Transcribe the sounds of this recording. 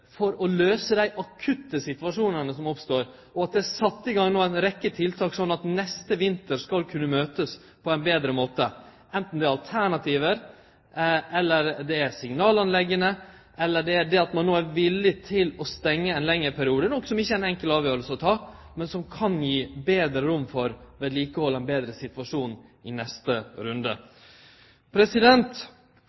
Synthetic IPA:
fɔɾɔløːsəd̪æɪʔɑkʰʉt̪ːəsɪt̪ʋɑʂuːnənəsɔmɔpst̪oːɾ | ɔɑt̪̚d̪ɛæsɑt̪ːəɪɡɑŋnoːæɪnɾɛkːət̪ʰɪlt̪ʰɑːksɔnːɑt̪nɛst̪əʋɪnt̪əɾskɑlkʰʉnːəmøːt̪əs | pʰɔɛɪnbeːd̪ɾəmoːt̪ə | ɛnt̪n̩d̪ɛæɑlt̪ʰæɳɑt̪ʰiːʋəɾ | ɛlːəɾd̪ɛæɾsɪŋnɑːlɑnlɛɡːənə | ʔɛlːəɖɛæɖɛɑt̪mɑnːoːæɾʋɪlːɪt̪ʰɪlɔst̪ɛŋːəɛnlɛŋːəɾpʰæɾɪuːd̪ənɔksɔmɪçːəæɾɪnɛŋkəlɑːʋjøːɾəlsəɔt̪ʰɑː | mɛnsɔmkʰɑnjiːbeːd̪ɾəɾʊmːfɔɾʋeːd̪liːkəhɔlːɛɪnbeːd̪ɾəsɪt̪ʋɑʂuːnɪnɛst̪əɾʉnd̪ə̰ | pʰɾɛsɪd̪ɛnt̪

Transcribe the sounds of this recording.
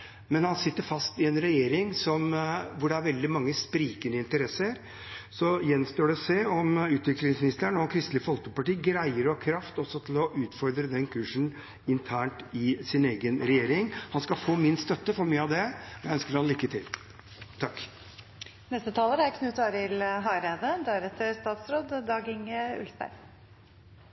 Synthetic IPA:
mɛnhɑnsɪt̪ːəɾfɑst̪ɪɛnɾɛjeːɾɪŋsɔmʋʊɖɛæɾʋɛld̪ɪmɑŋːəspɾiːkənəɪnt̪əɾɛsːəɾ | sɔjɛnst̪oːɖɛseːɔmʉːt̪ʋɪklɪŋsmɪnɪst̪əɳɔkʰɾɪst̪lɪfɔlt̪əpɑʈiːɡɾæɪəɾɔhɑkʰɾɑft̪ɔsɔt̪ʰɪlɔʔʉːt̪fɔɾd̪ɾəd̪ɛnkʰʉːʂn̩ | ɪnt̪ʰæːɳʈɪsɪneːɡənɾɛjeːɾɪŋhɑnskɑfoːmɪnst̪œt̪ːəfɔɾmyːəɑʋd̪ɛɔjæɪœnskəɾhɑnlɪkːət̪ʰɪl | t̪ʰɑkː | nɛst̪ət̪ʰɑːləɾæɾkʰnʉt̪ɑːɾɪlɦɑɪɾæɪd̪əd̪æɾɛt̪ʰːəɾst̪ɑːt̪sɾoːd̪ːɑːɡɪŋʉ̰lsbæ̰ɾ

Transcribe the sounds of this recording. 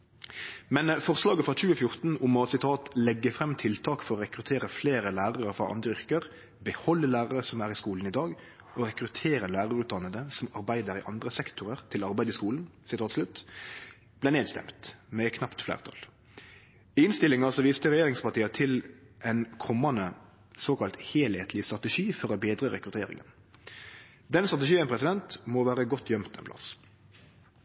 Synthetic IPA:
mɛnfɔʁslɑːɡəfɾɑt͡ʃʉːəfjʊɾt̪n̩ʊmɔsɪt̪ʰɑːt̪lɛɡːəfɾɛmːt̪ʰɪlt̪ʰɑːkfɔɾɔɾɛkɾʉt̪ʰeːɾəfleːɾəlæːɾɑɾəfʁɑ̰ʔɑ̰nd̪əʏɾkəɾ | bəhɔlːəlæːɾəɾəsɔmæɾɪskuːln̩ɪd̪ɑːɡ | ɔɾɛkɾʉt̪ʰeːɾənlæːɾɑɾʉːt̪d̪ɑnəd̪əsɔmɑɾbæɪd̪əɾɪ̰ʔɑnd̪ɾəsɛkt̪ʰʊʁəʁt̪ʰɪlɑɾbæɪd̪ɪskuːln̩sɪt̪ʰɑːt̪slʉt̪ː | b̥læːneːd̪st̪ɛ̰mt̪mɛkʰnɑpt̪flæ̰ːʁt̪ʰɑ̰l | ɪnst̪ɪlɪŋɑsɔʋiːst̪əɾɛjeːɾɪŋspɑʁt̪iːɑt̪ʰɪlʔɛnkʰɔmːɑnə | soːkɑlt̪heːlheːt̪ʰlɪst̪ʁɑt̪ɛʂiːfɔɾɔbeːd̪ʁəɾɛkɾʉt̪ʰeːɾɪ̰ŋə̰n | d̪ɛnst̪ʁɑt̪ɛʃiːəmpʰɾɛsɪd̪ɛnt̪mɔʋæːɾəɡɔt̪ʰːjœmt̪ɛ̰npʰlɑ̰s

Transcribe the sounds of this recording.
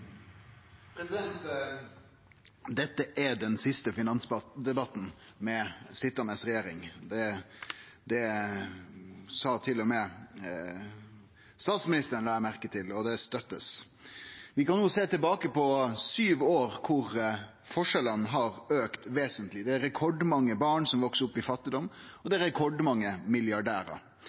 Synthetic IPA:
pʰɾɛsɪd̪ɛnt̪ | d̪ɛt̪ːəʔædɛnsɪst̪əfɪnɑnsd̪ɛbɑt̪ːn̩ | mɛsɪt̪ːəmɛsɾɛjeːɾɪŋd̪ɛ | d̪ɛ | sɑːt̪ʰɪlːɔmɛ | st̪ɑːt̪smɪnɪst̪əɾənlɑːmæɾkət̪ʰɪlɔd̪ɛst̪œt̪ːəs | ʋɪkɑnːuːseːt̪ɪlbɑːkəpɔsyːʋoːɾkʰʊɾ | fɔʂɛlənɦɑɾøːkt̪ʋeːsənt̪lɪd̪ɛæɾɾɛkʰɔɖmɑŋːəbɑːɳsɔmʋɔksəɾʊpːɪfɑt̪ːɪd̪ɔmːɔd̪ɛæɾɛkʰɔɖmɑŋːəmɪljɑɖæːɾə̰

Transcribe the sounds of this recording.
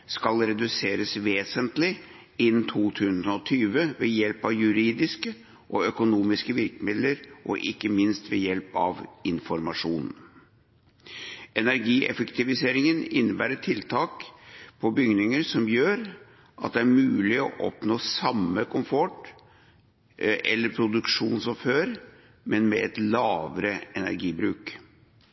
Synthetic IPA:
skɑlɾɛd̪ʉseːɾəsʋeːsənt̪lɪ | ɪnːt̪ʰuːt̪ʰʉːsən̩ɔt̪ʰyːʋəʋɛjɛlpɑʋjʉɾiːd̪ɪskə | ʔɔœkʊnuːmɪskəʋɪɾkəmɪd̪ləɾʔɔ̰ʔɪkːəmɪnst̪ʋɛjɛlpɑ̰ʋɪnfɔɾmɑʂuːn̩ | ɛnæɾɡiːʔɛ̰fəkt̪ɪʋɪseːɾɪŋənɪnːəbæːɾəʈʰɪlt̪ʰɑːkpʰɔbʏɡnɪŋəɾsɔmjøːɾ | ʔɑt̪̚d̪ɛæɾmʉːlɪɔʔɔ̰pnoːsɑmːəkʰʊmfɔʈ | ʔɛlːəɾpʰɾʊd̪ʉkʂuːnsɔføːɾ | mɛnmɛ̰ɛt̪lɑːʋəɾəɛnæ̰ɾɡiːbɾʉːk

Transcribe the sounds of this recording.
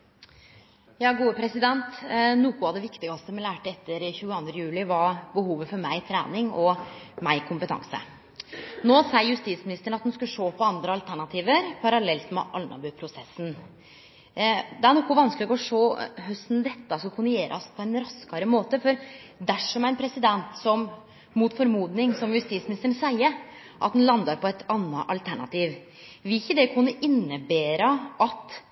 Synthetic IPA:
jɑːɡuːəpʰɾɛsɪd̪ɛnt̪nuːkʊɑʋd̪ɛʋɪkt̪ɪɡɑst̪əmɛlæːʈəɛt̪ːəɾçʉːəɑnd̪ɾəjʉːlɪʋɑbəhuːʋəfɔɾmæɪt̪ʰɾæ̰ːnɪŋɔ | mæɪkʰʊmpət̪ʰɑ̰ŋsə̰ | noːsæɪəɾjʉst̪iːt̪smɪnɪst̪əɳ̩ɑt̪hʉnskɑʂoːpʰɔɑnd̪ɾəɑlt̪ʰæɳɑt̪ʰiːʋəɾpʰɑɾɑlɛlt̪mɛ̰ʔɑlnɑ̰bʉpʰɾʊsɛsːn̩ | d̪ɛæɾɳɔkʰːɔʋɑnsklɪɡɔɔʂoːɦœst̪n̩d̪ɛt̪ːɑsɑkʰʉnːəjeːɾʔɑ̰spʰɔæɪnɾɑskɑɾəmoːt̪əfɔɾd̪æʂɔmæɪnpʰɾɛsɪd̪ɛnt̪sɔm | muːt̪fɔɾmuːd̪nɪŋsɔmjʉst̪iːsmɪnɪst̪əɳsæɪə | ʔɑ̰t̪̚d̪ɛnlɑnd̪ɑɾpʰɔæɪt̪ɑnːɑʔɑlt̪ʰæɳɑ̰t̪iːʋ | ʋɪɪçːəd̪ɛkʰʉnːəʔɪnːəbeːɾɑʔɑt̪

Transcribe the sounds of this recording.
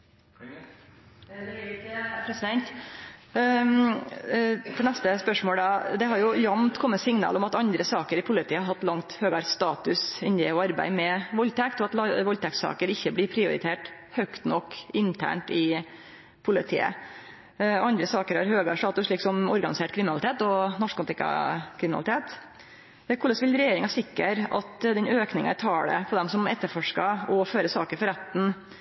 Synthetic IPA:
pʰɾɛsd̪ɛnt̪ | fɔnɛst̪əspœʂmoːld̪ɑːd̪ɛɦɑɾjʊjɑmt̪kʰɔmːət̪sɪŋnɑ̰ːlɔmɑt̪ɑnd̪ɾəsɑːkəɾɪpʰʊlɪt̪ʰiːəhɑɾɦɑt̪ːlɑŋt̪høːɡɑɾst̪ɑːt̪ʉsɪnd̪ɛɔɑɾbæ̰ɪmɛʋɔlt̪ʰɛkt̪ɔɑt̪lʋɔlt̪ʰɛksɑ̰ːkəɾɪçːəblɪɾpʰɾɪʊɾɪ̰t̪ʰeːʈ | hœkt̪nɔkːɪnt̪ʰæ̰ːɳʈɪ | pʰʊlɪt̪ʰḭːə̰ | ɔɑnd̪ɾəsɑːkəɾhɑɾhøːɡɑɾst̪ɑːt̪ʉslɪksɔmɔɾɡɑnɪseːʈ̚kʰɾɪmɪnɑlɪt̪ʰeːt̪ɔnɔʂkɑlt̪ɪkɑ̰kʰɾɪmn̰lɪt̪ʰeːt̪ | ɛkʰʊlɑsʋɪlɾɛjeːɾɪŋɑsɪkːəɾɑ̰t̪d̪ɛnøːknɪŋɑæt̪ʰɑːɽə̰pʰɔd̪ɛmsɔmɛt̪ːəɾfɔʂkɑɔføːɾəsɑːkəɾfɔɾæt̪n̩

